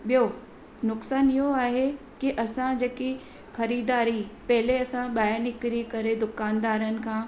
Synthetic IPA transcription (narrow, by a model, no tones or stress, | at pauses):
ɓijo | nʊksaːniɦoaːɦe | kiʔɐsãd͡ʑeːki | xɐɾiːd̪aːɾipɐɦɪleɐsãɓaːjəɾnɪkɾikɐɾed̪ʊkaːnd̪aːɾənɪ̆kʰãː